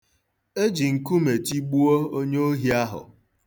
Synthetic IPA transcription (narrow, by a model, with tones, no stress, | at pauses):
e˦d͡ʒi˨ŋ̩˨ku˦me˨ti˦ɡ͡bu˦o˦o˦ɲe˦o˦ɦi˦a˦ɦʊ̰˨